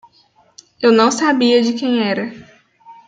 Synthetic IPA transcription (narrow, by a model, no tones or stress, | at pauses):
ewnɐ̃w̃sabiɐd͡ʒɪkẽj̃ɛɾɐ